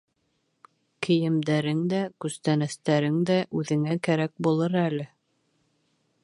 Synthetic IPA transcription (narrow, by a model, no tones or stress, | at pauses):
kʰɘ̆jɘ̆md̪æɾɘŋd̪ækʉst̪ænæst̪æɾɘŋd̪æʔʉðɘ̆ŋækæɾæk̚bulˠɤɾælɘ